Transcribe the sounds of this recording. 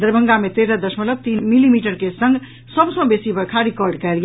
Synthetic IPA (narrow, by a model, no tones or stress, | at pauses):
d̪əɾbʱə̃ŋɡamet̪eɾəd̪əsmələk̚t̪inmilimiʈəɾkesə̃ŋɡ | səbsə̃besibəɾkʰaɾikɔɾɖkɛlj